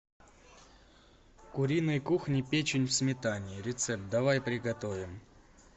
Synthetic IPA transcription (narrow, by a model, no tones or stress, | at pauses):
kʊɾʲinɨjkuxnʲɪpʲet͡ɕɪnʲfsmʲɪt̪anʲɪːɾʲɪt̪sɛp̚t̪̚d̪ɐvajpɾʲɪɡɐt̪ovʲɪm